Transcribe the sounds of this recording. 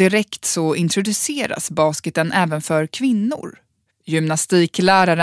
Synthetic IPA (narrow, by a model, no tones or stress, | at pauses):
ɪɾɛkt̪sɔɪnt̪ʰɾʊd̪ɵseːɾa̰sbɑːskət̪ənʔɛːvənfœɾkʰvɪnːʊ̰ɾ | jʏmnast̪iːklæːɾaɾə